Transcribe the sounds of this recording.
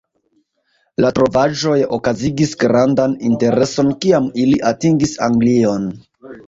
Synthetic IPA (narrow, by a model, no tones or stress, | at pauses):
latɾo̞vaʒo̞jo̞̰kaziɡisɡɾandaninte̞ɾe̞so̞nkiamiliʔatiŋɡisaŋɡlio̞n